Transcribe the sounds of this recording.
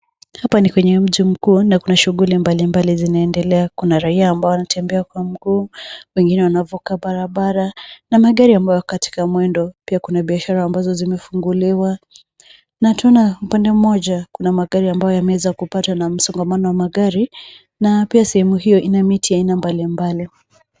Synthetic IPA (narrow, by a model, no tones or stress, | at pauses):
hapanikwɛɲɛm̩ʄim̩kuːnakunaʃuɣulimbalimbalizinaɛndɛlɛakunaɾaiaːmbaɔanatʰɛmbɛakwam̩ɡuːwɛŋɡinɛwanavukaɓaɾaɓaɾanamaɠaɾiambajɔkati̥kamwɛndɔpiakunaɓiaʃaɾaːmbazɔzimɛfuŋɡuliwa | natuɔnaupandɛm̩mɔʄakunamaɠaɾiambajɔjamɛwɛzakupatanam̩sɔŋɡamanɔwamaɠaɾi | napiasɛhɛmuɦijɔʔinamitiainambalimbali